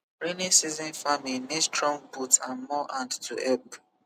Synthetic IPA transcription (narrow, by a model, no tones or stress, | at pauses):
ɹenisizĩnfaministɹɔ̃ŋbutãnmɔʔãndtuʔɛp